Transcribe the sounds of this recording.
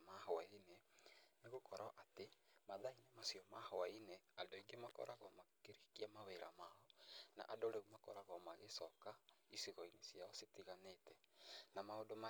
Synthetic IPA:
mahɔaineneɣokɔɾaʔatemaðainemasijɔmahɔaineadoiɡemakɔ̰ɾʔaɣɔmakeɾikiamaweɾa̰maɔna̰ʔadoɾeumakɔ̰ɾaɣɔmaɣesɔkaisiɣɔinesiaɔsetiɣanetɛnamaodoma

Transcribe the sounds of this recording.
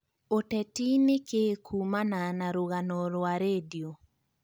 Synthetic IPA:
otɛtinekekʰumananaɾoɣanɔɾwaɾedio

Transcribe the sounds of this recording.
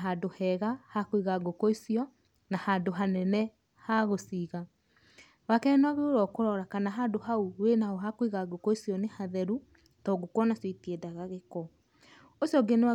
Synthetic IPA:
ɦadohɛɣahakoiɣaɡokoisijɔ | nahandoɦanɛnɛ | haɣosiɣa | wakɛnwaɣeoɾɔkoɾɔɾakanaɦandohauwenaɔɦakoiɣaɡokoisijɔnehaðɛɾu | tɔɡokwɔnaswetiɛdaɣaɣekɔ | osiɔɡenewa

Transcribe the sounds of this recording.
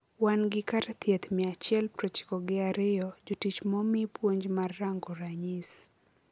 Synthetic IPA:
wanɡɪkaɾt̪ʰjɛt̪miat͡ʃjɛlpɾɛt͡ʃɪ̥kɔɡɪaɾɪjɔd͡ʒutit͡ʃmɔmipwoɲd͡ʒmarːaŋɡɔɾaɲis

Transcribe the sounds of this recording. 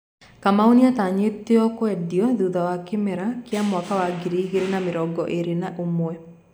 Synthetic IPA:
kamaoniataɲeteɔkwɛdiɔðuðawakemɛɾakeamwakawaɡiɾiiɣeɾenameɾɔːɡɔʔeɾenaʔomwɛ

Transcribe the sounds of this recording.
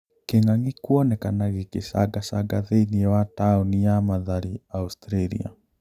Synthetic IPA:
keŋaŋikuɔnɛkanaɣekesa̰ɡasaɡaðeiniɛwataonijamaðaɾiaustɾeɾḭa̰

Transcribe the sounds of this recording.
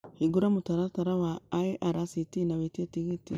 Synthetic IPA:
hiɡuɾamutaɾataɾawaːiʔaɾasitinawetietiɡiti

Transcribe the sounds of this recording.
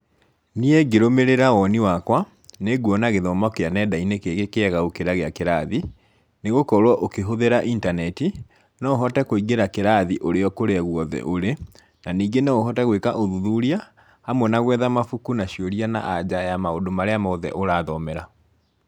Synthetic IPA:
nieɡeɾomeɾeɾaɔniwakwa | neɡwɔnaɣeðɔmakeanɛdainekeɣekeɛɣaokeɾaɣeakeɾaði | neɣokɔɾwɔʔokeɦoðeɾaʔintanɛti | nɔoɦɔtɛkoiɣeɾakeɾaðiʔoɾeɔkoɾeaɣwɔðɛ̰ʔoɾe | naniːɡenɛoɦɔtɛɣwekaʔoðuðuɾia | hamwɛnaɣwɛðamafukunaɕjoɾiana̰ʔad͡ʑajamaodomaɾeamaoðɛ̰ʔoɾaːðɔmɛɾa

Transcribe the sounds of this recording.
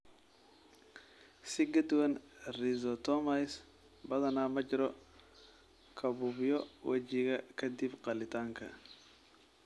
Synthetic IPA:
sɪɡɐt̪wɐnrizɔt̪ɔmas | bɐðɐnaːmɐd͡ʒɪɾɔ | kʰɐbubjɔwʔɐ̰t͡ʃikɐkʰɐd̪ibqɐlɪt̪aːŋkʰɐ̰

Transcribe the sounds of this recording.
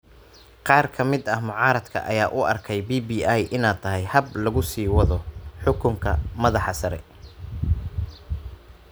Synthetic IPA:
qɑːrkʰɐmɪd̪ɐhmʊʕɑːɾɐd̪kʰɐ̰ʔɐjaːʔʊʔɐrkʰɛjbiːbiːajʔɪnaːd̚t̪ʰɐɦɛjhɐblɐɣʊsiːwɐðɔħʊkʰʊŋkʰɐ̰mɐðɑħɑsɐɾɛ̰

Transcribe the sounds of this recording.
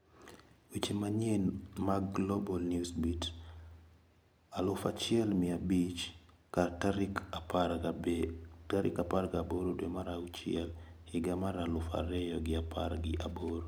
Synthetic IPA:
wit͡ʃimaɲenmaɡlobɔlnjusbit | alʊfat͡ʃɪɛlmɪabit͡ʃ | kataɾkap | taɾʔɪ̰kaparɡaboɾodwɛmaɾaut͡ʃɪɛl | hɪɡamaɾalʊfa̰ɾɛjɔɡɪapʰaɾɡɪ̰ʔaboɾo

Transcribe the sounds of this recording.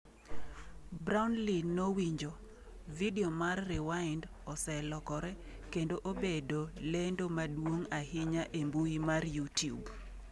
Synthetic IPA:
bɾaʊnlinːowiɲd͡ʒo | videomarːɪwaɪnd | ɔsɛlɔkɔɾɛ | kendoʔobedolendomadwoŋahɪɲaʔembuimarjutijṵb

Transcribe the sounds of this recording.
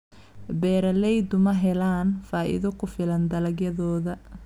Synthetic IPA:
bɛːɾɐlɛjd̪ʊmɐɦɛlaːnfaːʔɪ̰ðɔkʰʊfɪlɐnd̪ɐlɐɡjɐðɔːðɐ

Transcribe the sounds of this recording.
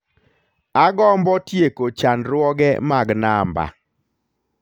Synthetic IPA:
aɡɔmbɔtjekot͡ʃanɾwɔɡɛ̰maɡnamba̰

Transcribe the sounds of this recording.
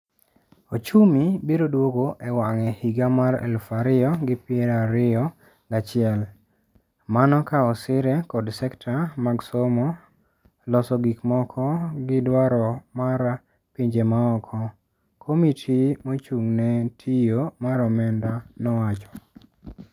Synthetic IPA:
ot͡ʃumibiɾodwoɡoʔewaŋɛhiɡamaɾɛ̰lfaɾɪɔɡɪpɪɛɾaɾɪɔ | ɡat͡ʃɪɛl | manɔkaɔsɪɾɛkɔdsɛktʰamaɡsomɔ | lɔsɔɡikmɔkʰɔɡɪdwaɾɔmaɾ | piɲd͡ʒemaɔkʰɔ | kʰomitʰimot͡ʃuŋnɛtʰijomaɾɔmɛndanɔwat͡ʃɔ̥

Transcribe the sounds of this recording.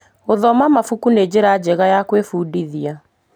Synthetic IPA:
oðɔmamafukuned͡ʑeɾad͡ʑɛɣajakwefudiðia

